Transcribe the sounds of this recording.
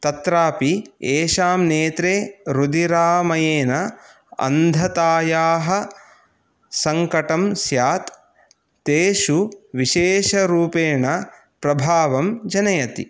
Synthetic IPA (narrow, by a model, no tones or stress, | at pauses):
t̪ɐt̪ɾaːpieːʃaːmneːt̪ɾeːɾud̪iɾaːmɐjeːnɐ | ɐ̰nd̪ʱɐt̪aːjaːɦɐ̆ | sɐŋkɐʈɐmsjaːt̪ː | eːʃuʋiʃeːʃɐɾuːpeːɳɐ | pɾɐbʱaːʋɐmd͡ʒɐnɐjɐt̪ḭ